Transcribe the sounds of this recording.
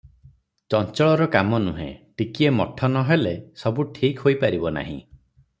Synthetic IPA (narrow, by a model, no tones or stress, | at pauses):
t͡ʃɔnt͡ʃɔɭɔɾɔkamɔnuɦḛ̃ʈikiemɔʈʰɔnɔɦelesɔbuʈʰikɦojpaɾibɔna̰ɦḭ̃